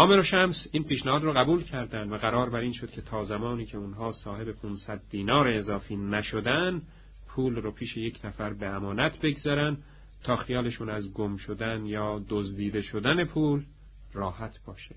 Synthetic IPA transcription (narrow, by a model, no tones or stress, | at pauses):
ʔɒːmeɾoʃæmsiːnpʰiːʃnæhɒːd̪ɾɔɣæbuːlcʰæɾd̪ænd̪væɣæɾɒːɾbæɾiːnʃo̞d̪̥̚cʲʰe̞t̪ʰɒːzæmɒːniːcʰe̞unɦɒːsɒːhe̞be̞pʰunsæd̪̚ːiːnɒːɾeːzɒːfiːnæʃod̪æn | pʰuːlrɔːpʰiːʃe̞je̞cʰnæfæɾbe̞æmɒːnæt̪ʰbe̞ɡzɒːɾænd̪ | t̪ʰɒːxijɒːle̞ʃuːnæzɡomʃod̪ænjɒːd̪ozd̪iːd̪e̞ʃod̪æne̞pʰuːl | rɒːhæt̪ʰb̥ɒːʃe